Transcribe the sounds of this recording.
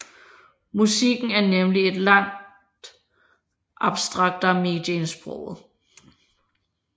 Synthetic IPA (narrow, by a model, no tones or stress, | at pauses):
musiɡ̥n̩æɐnemlie̝d̥lɑ̈ŋ̰ | d̥ | ʔɑ̈b̥sd̥ʁɑ̈ɡ̥̚d̥ɐme̝d̥jensb̥ʁɔ̰ʊ̰ð̩ˠ